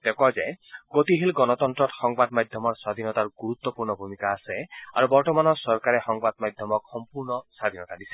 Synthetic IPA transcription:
t̪ekɔd͡ʒejɡot̪iɦilɡɔnɔt̪ɔnt̪ɾɔt̪xɔŋbad̪mad̪ʱjɔmɔɾsad̪ʱinɔt̪aɾɡuɾut̪ːɔpuɾɳɔbʱumikaːsea̰ɾubɔɾʈɔmanɔsɔɾkaɾexɔŋbad̪̚mad̪ʱjɔmɔkhɔmpuɾnɔsad̪ʱinɔt̪ad̪ise

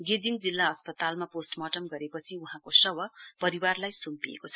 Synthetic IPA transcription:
ɡed͡ziŋd͡zilːaʌspʌt̪almaposʈmʌʈʌmɡʌɾepʌt͡sʰiuɦãkosʌwʌpʌɾiwarlajsumpiḛkot͡sʰʌ

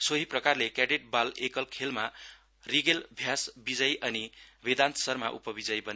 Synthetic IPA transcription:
soɦiprʌkarlekaɖeʈ̚balekʌlkʰelma | riɡelbʱjasbid͡zʌjʔʌnibed̪ant̪ʌ̥sʌrmaʔṵpʌbid͡zʌjbʌne

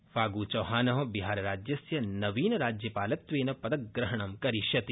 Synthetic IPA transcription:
faːɡuːt͡ʃɐːɦaːnɐʋɐbiɦaːɾɾaːd͡ʒjɐsjɐnɐʋiːnɐɾaːd͡ʒjɐpaːlɐt̪ʋeːnɐpɐd̪ɐk̚ɡɾɐɦɐɳ̃ɐmkɐɾiʃɐt̪i

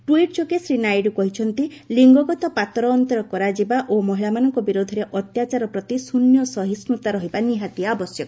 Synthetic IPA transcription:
ʈwiʈ̚t͡ʃokesɾinajɖkɔɦit͡ʃʰɔnt̪iliŋɡɔɡɔt̪ɔpat̪ɾɔːnt̪ɔɾɔkɔɾad͡ʒibaʔomɔɦiɭamanɔŋkɔbiɾod̪ʱɔɾeʔɔt̪jat͡ʃaɾɔpɾɔt̪isunjɔsɔɦisnut̪aɾɔɦibaniɦat̪iaːbɔsjɔkɔ

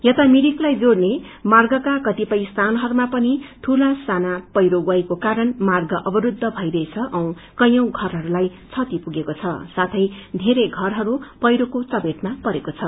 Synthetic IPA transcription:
jʌt̪amiɽiklajd͡zoɽne | marɡʌkakʌt̪ipʌjst̪ʰanɦʌɾumapʌnit̪ʰulasanapʌjɾoɡʌjkokaɾʌnmarɡʌʔʌbʌɾud̪ʱːʌbʱʌjɾʌjt͡sʰʌʔʌ̃w̃ | kʌjʌ̃w̃ɡʱʌrɦʌɾulajt͡sʰʌt̪ipuɡekot͡sʰʌsat̪ʰʌjd̪ʱeɾeɡʱʌrɦʌɾupʌjɾokot͡sʌbeʈ̪mapʌɾekot͡sʰʌ

